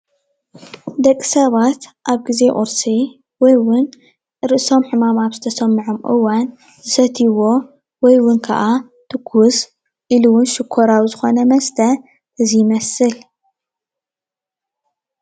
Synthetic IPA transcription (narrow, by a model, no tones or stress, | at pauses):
d̪ɐkʼːi̥sɐβat̪ʔaβɡize̞ʔʼʊ̰ɾsi | wɔjwʊn | ɾɨʔɨso̞mħɨmamaβzɨt̪ʰɐsɐmːɨʕomʔɨ̰wan | zɨsɐt̪ʰiwo̞ | wɔjwʊnkʰɐ̰ʔa | t̪ʰɨkʰːus | ʔiluwʊnʃɨkʰːoɾawzɨxo̞nɐmɐst̪ʰɐ | ʔɨzijmɐsɨl